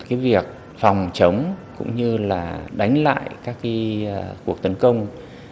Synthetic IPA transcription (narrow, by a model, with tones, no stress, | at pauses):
kaː˨˦jvi˨˩ək̚ | fɔ˨˩wŋ͡mt͡ɕə˨˦wŋ͡mkʊ̰˧˥ŋ͡mɲɨ˧laː˨˩ɗa˨˦jŋ̟la̰ː˧˨jkaː˦˥kːa˨˦˧ku˨˩ək̚t̪ə˨˦nkə˧wŋ͡m